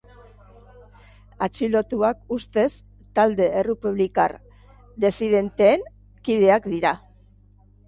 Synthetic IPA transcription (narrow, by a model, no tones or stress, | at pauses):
at͡ʃilo̞t̪uakust̪e̞s | t̪ald̪e̞ʔerepuβ̞lika̰r | d̪e̞siðe̞nt̪e̞ːŋ | kið̞e̞akd̪iɾa